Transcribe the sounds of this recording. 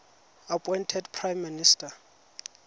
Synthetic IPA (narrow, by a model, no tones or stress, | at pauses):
apʼɔjntʰɛdpʰrajmːinistʼa